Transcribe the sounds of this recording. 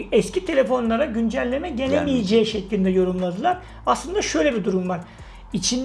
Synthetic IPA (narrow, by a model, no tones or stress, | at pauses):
ɛscʰit̪ʰelʲe̞fo̞nlˠaɾaɟynd͡ʒælʲːe̞mɛɟelʲemijed͡ʒɛːʃɛclʲind̪ɛjo̞ɾumlˠad̪ɯlˠaɾ̥ | aslˠɯnd̪aʃø̞jlʲebid̪uɾumvaɾ̥ | it͡ʃʰin